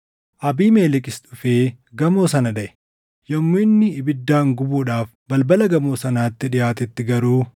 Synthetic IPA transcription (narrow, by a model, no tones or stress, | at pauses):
ʔɐbiːmeːlɪkʼɪst̪ʊfeː | ɡɐmo̞ːsɐnɐd̪ɐʔɛ̥ | jɐmːʊɪnːɪːbɪd̪ːaːŋɡʊbuːᶑaːf | bɐlbɐlɐɡɐmo̞ːsɐnaːt̪ːɪᶑɪjaːt̪ɛt̪ːɪɡɐɾuː